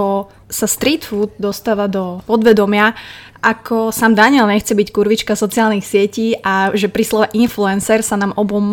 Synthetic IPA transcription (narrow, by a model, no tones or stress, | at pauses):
ɔ | sast̪ɾiːt̪fud̪̚d̪ɔst̪aːʋad̪ɔpɔd̪ʋɛd̪ɔmɪa | ʔakʰɔsaːmd̪aɲɪɛlɲɛxt͡sɛbickuɾʋit͡ʃkasɔt͡siaːlnixsɪɛciːʔaʒɛpɾislɔʋɛʔinfluɛnsɛɾsanaːmʔɔbɔm